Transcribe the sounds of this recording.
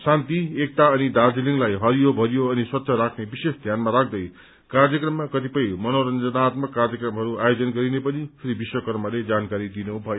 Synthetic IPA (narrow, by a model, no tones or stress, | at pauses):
sant̪iek̚t̪aʌnid̪ard͡ziliŋlajɦʌɾijobʱʌɾjoʌniswʌt̪ːɕʰʌɾakʰnebisesd̪ʱjanmaɾak̚ʰd̪ʌj | karjʌkrʌmːakʌt̪ipʌjmʌnoɾʌnd͡zʌnat̪mʌkːarjʌkrʌmɦʌɾuajod͡zʌnɡʌɾinepʌnipʰiɾibiswʌkʌrmʌled͡zankaɾid̪inubʱʌjo